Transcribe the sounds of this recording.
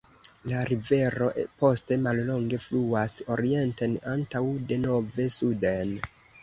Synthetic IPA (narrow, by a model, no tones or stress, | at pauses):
laɾive̞ɾo̞ʔpo̞ste̞mallo̞ŋɡe̞fluaso̞ɾie̞ntenantawde̞no̞ve̞suden